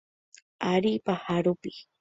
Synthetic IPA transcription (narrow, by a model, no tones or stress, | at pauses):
aɾipahaɾʊpi̥